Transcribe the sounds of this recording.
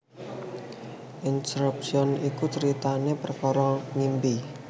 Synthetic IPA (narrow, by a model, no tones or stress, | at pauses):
ʔinsɾup̚siɔnikut͡ʃəɾit̪anepərkɔɾɔŋimbi